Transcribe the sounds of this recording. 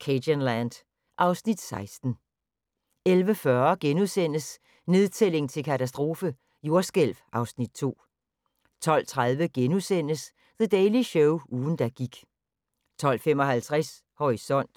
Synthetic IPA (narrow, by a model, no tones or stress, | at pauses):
kʰedənlænd̥ | ʔɑ̈ʊsnid̥sɑ̈ɪsd̥n̩ | elʋəfɶɐɡ̥enusen̰əs | ne̝ð̞ˠt͡sʰele̝ŋt͡sʰe̝lkʰæt͡sʰæs̬d̥ʁo̝ːfə | jo̝ɐsɡ̥el̰ʋʔɑ̈ʊsnid̥̚t͡sʰo̝̰ː | t͡sʰɒ̽l̰t͡sʰʁað̞ˠʋəɡ̥enusen̰əs | ðəd̥ɛɪliɕɔʊuːn̩d̥æ̈ɡ̥iɡ̥ | t͡sʰɒ̽l̰fem̰ɒ̽hælt͡sʰʁas | hɒʁisɒ̽n̰d̥